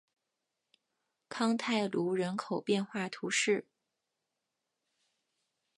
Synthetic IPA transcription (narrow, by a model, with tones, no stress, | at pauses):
kʰɑ˥ŋt̪ʰa˥˩ɪlu˧˥ɻə˧˥nkʰo˨˩ʊpjɛ˥˧nxwa˥˩t̪ʰu˧˥ʂɻ̩˥˩